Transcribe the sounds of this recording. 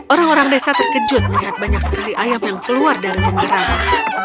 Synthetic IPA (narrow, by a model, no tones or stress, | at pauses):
ʔoɾaŋoɾaŋdesat̪ərkəd͡ʒʊt̪̚məliɦat̪̚baɲak̚sə̥kaliʔajamjaŋkəluardaɾiməmaɾaŋ